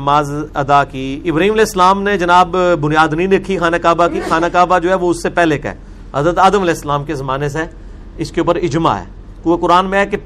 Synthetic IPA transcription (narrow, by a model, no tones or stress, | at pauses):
maːzɐd̪akiɪbɾaɦiːmɐlɛːɪsːəlaːmned͡ʒɐnaːbːʊnijaːd̪nɐĩnɪkʰːixaːnakaːbakixaːnakaːbad͡ʒoːɦɛʋoʊsːepɛːɦlekɐ̰ɛ̰ː | ɦɐzɾət̪aːd̪əmɐlɛːɪsːəlaːmkezɐmaːnes̬e | ɪskeuːp̬əɾɪd͡ʒma̰ɦɛ̰ː | kuekʊɾaːnmẽɦɛke